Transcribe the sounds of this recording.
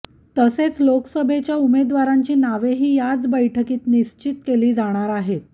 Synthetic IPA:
t̪əset͡sloksəbʱet͡ɕjaumed̪ʋaɾaɲt͡ɕiːnaʋeɦiːjad͡zbəjʈʰəkiːt̪niɕt͡ɕit̪keliːd͡zaɽ̃aɾaɦet̪̚

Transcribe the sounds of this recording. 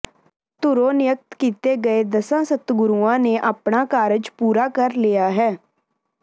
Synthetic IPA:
t̪ʊɾoːnɪjək̚t̪kiːt̪eːɡəeːd̪əsãːsət̪ɡʊɾuːãːneːʔapɳaːkaːɾəd͡ʒpuːɾaːkəɾliːjaːɦɛː

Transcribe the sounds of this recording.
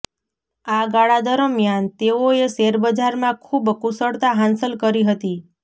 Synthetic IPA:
aɡaɭad̪əɾəmjant̪eoeseɾbəd͡ʒaɾmãkʰubkusəɽt̪aɦãnsəlkəɾiɦət̪i

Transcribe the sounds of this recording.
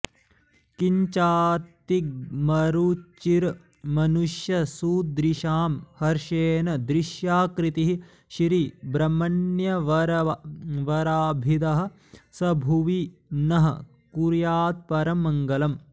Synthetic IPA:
kiɲt͡ʃaːt̪ːikmɐɾut͡ʃːiɾ | mɐnuʃjɐsuːd̪ɾiʃaːmhɐɾʃeːnɐd̪ɾiʃjaːkɾit̪iɦi | ʃɾibɾɐmɐnjɐ | ʋɐɾaːbʱid̪ɐɦɐ̆ | sɐbʱuʋinɐɦɐ̰ | kuɾjaːt̪̚pɐɾɐmːɐŋɡɐlɐm

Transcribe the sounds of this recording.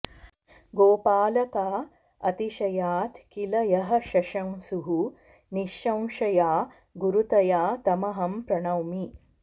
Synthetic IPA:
ɡoːpaːlɐkaː | ɐt̪iʃɐjaːt̪kilɐjɐɦɐ̆ʃɐʃɐwsuɦu | niʃːɐ̃w̃ʃɐjaː | ɡuɾut̪ɐjaːt̪ɐmɐɦɐmpɾɐɳɐwmi

